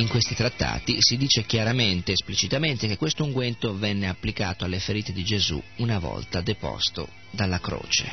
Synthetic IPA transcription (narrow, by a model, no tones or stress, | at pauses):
iŋkwest̪it̪ɾat̪ːa̰ːt̪isid̪iːt͡ʃek̟jaɾament̪eːsplit͡ʃit̪ament̪ek̟ekːwest̪ouŋɡwent̪ovɛnːeapːlikaːt̪oalːefeɾiːt̪ed̪id͡ʒezṵunavɔ̰lt̪ad̪epɔ̰st̪o̰ | d̪alːakɾo̰ːt͡ʃḛ